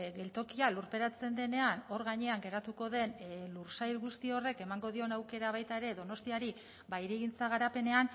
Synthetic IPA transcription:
ɡe̞lt̪o̞kialuɾpe̞ɾat͡se̞nd̪e̞ne̞ano̞ɾɣaɲe̞aŋɡe̞ɾat̪uko̞ðe̞nluɾsajlɣust̪io̞re̞ke̞maŋɡo̞ð̞io̞nawke̞ɾaβajt̪ae̞ɾe̞ðo̞no̞st̪iaɾi | bajɾiɣ̞int͡saɣ̞aɾape̞ne̞an

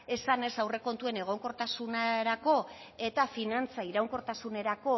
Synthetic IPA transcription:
e̞sane̞sawre̞ko̞nt̪ue̞ne̞ɣ̞o̞ŋko̞ɾt̪asunaɾako̞ | e̞t̪afinant͡saiɾawŋko̞ɾt̪asune̞ɾako̞

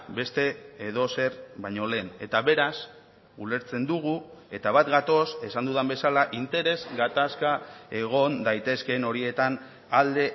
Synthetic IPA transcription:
be̞st̪e̞ːð̞o̞se̞ɾβajɲo̞le̞ːne̞t̪aβe̞ɾas | ule̞ɾt͡se̞nd̪uɣ̞ue̞t̪aβ̞at̪ɡat̪o̞se̞sand̪uðambe̞salaʔint̪e̞ɾe̞zɡat̪askae̞ɣ̞o̞nd̪ajt̪e̞ske̞no̞ɾie̞t̪an | ald̪e̞

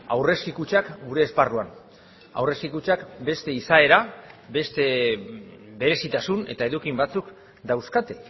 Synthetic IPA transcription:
a̰wre̞skikut͡ʃakɡuɾe̞ːsparuan | a̰wre̞skikut͡ʃakbe̞st̪e̞isae̞ɾabe̞st̪e̞ | be̞ɾe̞sit̪asune̞t̪ae̞ðukimbat͡suk | d̪awskat̪e

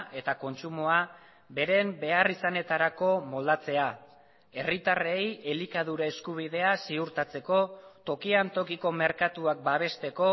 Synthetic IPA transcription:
e̞t̪ako̞nt͡sumoa | be̞ɾe̞mbe̞arisane̞t̪aɾako̞mo̞ld̪at͡se̞a | e̞rit̪are̞je̞likað̞uɾae̞skuβ̞iðe̞asiuɾt̪at͡se̞ko̞t̪o̞kiant̪o̞kiko̞me̞ɾkat̪uak̚baβ̞e̞st̪e̞ko̞

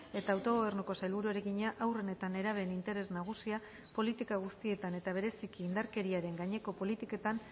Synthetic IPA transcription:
e̞t̪aːwt̪o̞ɣ̞oβ̞e̞rnuko̞sajlβuɾueɾeɣiɲaʔawre̞ne̞t̪ane̞ɾaβe̞ːnint̪e̞ɾe̞znaɣ̞usia | po̞lit̪ikaɣ̞ust̪ie̞t̪ane̞t̪aβ̞e̞ɾe̞sikiːnd̪aɾke̞ɾiaɾe̞ŋɡaɲe̞ko̞po̞lit̪ike̞t̪an

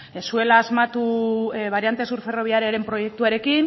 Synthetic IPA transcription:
esue̞laːzmat̪uβaɾiant̪e̞suɾfe̞ro̞β̞iaɾiaɾe̞mpɾo̞je̞k̚t̪uaɾe̞kin

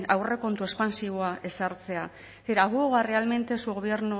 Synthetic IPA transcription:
awre̞ko̞nt̪ue̞spansiβoaʔe̞saɾt͡se̞a | seɾaɣuoɣare̞alme̞nt̪e̞suɣoβje̞ɾnu

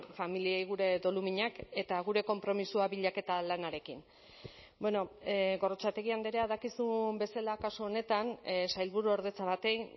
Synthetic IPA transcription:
familiejɣuɾe̞ðo̞lumiɲake̞t̪aɣuɾe̞ko̞mpɾo̞misuaβiʎake̞t̪alanaɾe̞kin | be̞no̞ɣo̞rot͡sat̪e̞ɣ̞iand̪eɾeaðakisumbe̞salakasuone̞t̪ansajlβuɾuoɾðe̞t͡saβat̪e̞j

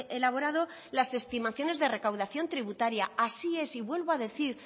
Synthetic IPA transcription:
ʔelaβ̞o̞ɾað̞o̞ | lase̞st̪imaθjo̞ne̞zðe̞re̞kawðaθjo̞nt̪ɾiβut̪aɾjaasie̞siβwe̞lβo̞aðe̞θiɾ

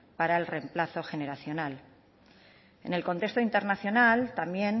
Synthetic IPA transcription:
paɾae̞lre̞mplaθo̞xe̞ne̞ɾaθjo̞nal | e̞̰ne̞lko̞nt̪e̞st̪oint̪e̞ɾnaθjo̞nalt̪ambje̞n

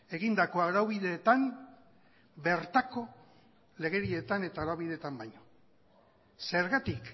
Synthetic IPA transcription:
e̞ɣind̪ako̞aɾawβiðe̞ːt̪am | be̞ɾt̪ako̞ | le̞ɣe̞ɾie̞t̪ane̞t̪aoɾawβiðe̞t̪ambajɲo | se̞ɾɣat̪ik

